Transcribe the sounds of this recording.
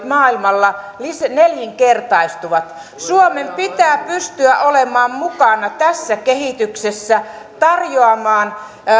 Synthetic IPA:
mɑːilmɑlːɑ | lisneljiŋkert̪ɑist̪uʋɑt̪ | suomempit̪æːpyst̪yæʔolemɑːmmukɑnɑt̪æsːækehit̪yksesːæ | t̪ɑrjoɑmɑːn

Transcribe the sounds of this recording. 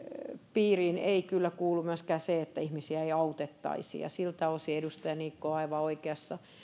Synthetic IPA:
piːriːneikylːækuːlːumyæskæːseet̪ːæihmisiæeiɑut̪et̪ːɑ̰isḭːjɑ̰silt̪æosiedust̪ɑjɑniːkːoɑiʋɑoikeɑsːɑ

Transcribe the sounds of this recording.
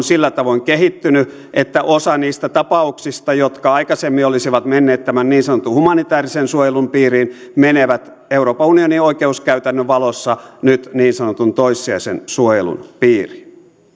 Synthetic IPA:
nsilːæt̪ɑʋoiŋkehit̪ːyny | ʔet̪ːæʔosɑniːst̪æt̪ɑpɑuksist̪ɑjot̪kɑɑikɑsemːiolisiʋɑt̪menːeːt̪t̪æmænniːnsɑnot̪uhumɑnit̪æːrisensuojelumpiːriːn | meneʋæt̪ | euroːpɑunionioikeuskæyt̪ænːøʋɑlosːɑnyt̪niːnsɑnot̪unt̪oisːiɑisḛnsuojelṵnpiːri̥n

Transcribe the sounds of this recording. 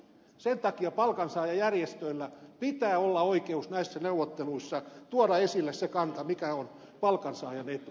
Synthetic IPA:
sent̪ɑkiɑpɑlkɑnsɑːjɑjærjest̪øilːæpit̪æːolːɑoikeusnæisːæneuwot̪ːeluisːɑt̪uɑdɑesilːessekɑnt̪ɑmikæon | pɑlkɑnsɑːjɑnet̪u

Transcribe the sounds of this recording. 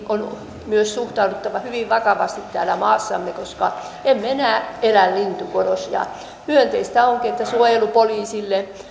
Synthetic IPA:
ʔon | myøssuht̪ɑudut̪ːɑʋɑhyʋiʋʋɑkɑʋɑ̰st̪it̪t̪æːlæmɑːsːɑ̰mːekoskɑ | emːeenæːelællint̪ukorosjɑ̰ | myønt̪eist̪æoŋkiet̪ːæsuojelupoliːsilːe

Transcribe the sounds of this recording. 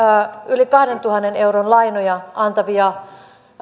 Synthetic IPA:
ylikɑhdent̪uhɑnːeneuɾonlɑinojɑʔɑnt̪ɑʋiɑ

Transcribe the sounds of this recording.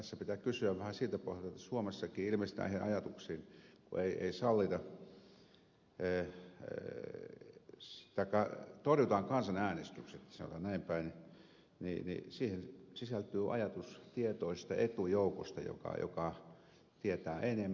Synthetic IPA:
t̪æsːæpit̪ækysyæʋʋæhæsiːt̪æpo̰hjlt̪ːt̪ːæsuomesːɑkiːilmest̪æ̰ːienʔɑjɑt̪uksiːnkṵeiʔḛisɑlːit̪ɑ | t̪ɑˑikːɑt̪orjut̪ɑŋkɑnsɑnæːnest̪ykset̪sɑ̰no̰t̪ɑ̰nnæimpæini | nḭnḭsiːhensisælt̪yːʔɑ̰jɑt̪ust̪iet̪oist̪ɑet̪ujouko̰st̪ɑ̰jo̰kɑ̰jo̰kɑ | t̪iet̪æːʔenem

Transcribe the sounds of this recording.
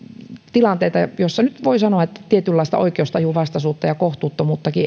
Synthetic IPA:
t̪ilɑnt̪eit̪ɑjosːɑnyt̪ʋoisɑnoɑet̪ːæ̥t̪iet̪ylːɑˑist̪ɑ̰o̰ikeost̪ɑjuʋɑst̪ɑsuːt̪ːɑjɑkoht̪uːt̪ːomuːt̪ːɑki

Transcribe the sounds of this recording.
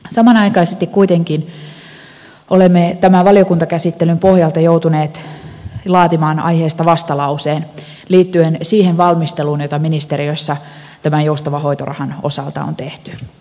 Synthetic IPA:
sɑmɑnɑjkɑijsest̪ikkuit̪eŋkin | olemːet̪æmæʋɑliokunt̪ɑkæsit̪ːelympo̞hjɑlt̪ɑjout̪uneːt̪ | lɑːt̪imɑːnɑ̰jhe̞ːst̪ɑʋɑst̪ɑlɑuseːn | liːt̪ːyensiːhenʋɑlmist̪eluːnjot̪ɑminist̪e̞ɾioisːɑ | t̪æmænjoust̪ɑʋɑɦo̞jt̪o̰rɑ̰hɑno̞̰sɑ̰lt̪ɑ̰o̰nt̪eht̪y̥

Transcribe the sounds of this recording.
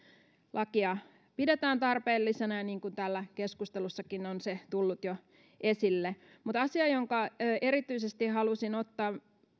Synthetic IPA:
lʔɑkiɑ | pidet̪æːnt̪ɑrpeːlːisenɑjɑniːŋkunt̪ælːækeskust̪elusːɑkinonset̪ulːut̪jo | ʔesilːe | mut̪ɑsiɑjoŋkɑːe̞ɾit̪yisest̪ihɑlusinot̪ːɑː

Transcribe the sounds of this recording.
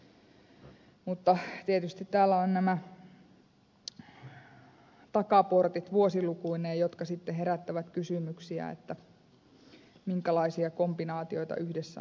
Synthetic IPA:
mut̪ːɑt̪iet̪yst̪it̪t̪æːlːæonnæmæ | t̪ɑkɑport̪it̪ʋuosilukuinejjot̪kɑsit̪ːeɦeɾæt̪ːæʋæt̪kysymyksiæ̰ḛt̪ːæ | miŋkælɑisiɑkombinɑːt̪ioit̪ɑ̰ʔyhdesːæ̰

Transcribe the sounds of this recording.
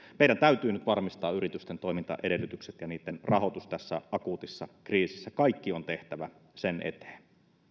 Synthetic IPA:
meˑiɾænt̪æyt̪yːnyt̪ʋɑrmist̪ɑ̰ːyrit̪yst̪ent̪oimint̪ɑ̰ʔedelːyt̪ykset̪jɑniːt̪ːenrɑɦo̞t̪ust̪æsːæ̰ʔɑkuːt̪isːɑkriːsisːækɑikːiont̪e̞ht̪æʋæsenʔḛt̪e̥ːn

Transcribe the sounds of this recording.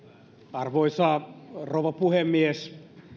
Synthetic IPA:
ɑrʋoisɑːrouʋɑpuhemːies

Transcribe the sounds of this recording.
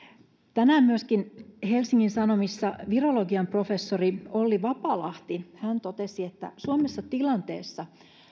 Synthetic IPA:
t̪ænæːmmyøskinhelsiŋːinsɑno̞misːɑʋiroloɡiɑmpro̞fesːoriolːiʋɑpɑːlɑht̪ihænt̪ot̪esiet̪ːæ̰suomesːɑt̪ilɑnt̪ḛːsːɑ

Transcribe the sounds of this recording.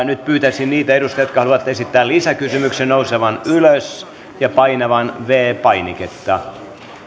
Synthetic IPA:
nyt̪̚pyːt̪æsinniːt̪æedust̪ɑjot̪kɑhɑluʋɑt̪esit̪ːæːlisækysymyksennouseʋɑnyløs | jɑpɑinɑʋɑnʋeːpɑiniket̪ːɑ

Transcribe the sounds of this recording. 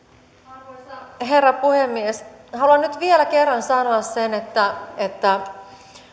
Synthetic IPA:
ɦe̞rːɑpuhe̞mːieshɑluɑnnyt̪ʋielæke̞rːɑnsɑnoɑssenet̪ːæet̪ːæ

